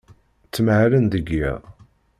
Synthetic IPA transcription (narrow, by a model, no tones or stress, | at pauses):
t͡sːəmʕlənd̪əɡḭ